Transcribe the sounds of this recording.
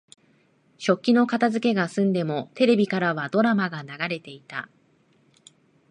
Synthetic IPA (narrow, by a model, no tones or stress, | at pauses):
ɕo̞kʲːino̞kat̪azɨke̞ɡasɨ̃nd̪e̞mo̞t̪e̞ɾe̞bʲikaɾaβ̞ad̪o̞ɾamaɡanaɡaɾe̞t̪e̞it̪a̰